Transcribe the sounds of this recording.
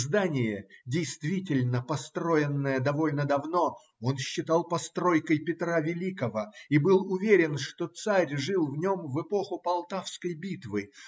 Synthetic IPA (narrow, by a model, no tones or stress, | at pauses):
zd̪anʲɪjədʲɪjst̪vʲitʲɪlʲnəpɐst̪ɾo̞ɪnːəjəd̪ɐvo̞lʲnəd̪ɐvno̞ | o̞nɕːɪt̪ɑlˠpɐst̪ɾo̞jkəjpʲɪt̪ɾavʲɪlʲikəvəibɨlˠʊvʲeɾʲɪnʂt̪o̞t̪saɾʲʐɨlˠvnʲo̞mvɨpo̞xʊpɐlˠt̪afskəjbʲit̪vɨ